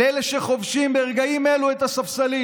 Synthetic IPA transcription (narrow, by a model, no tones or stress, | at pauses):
eleʃe̞χo̞vʃimbeːʁɡaimeluet̪asafsali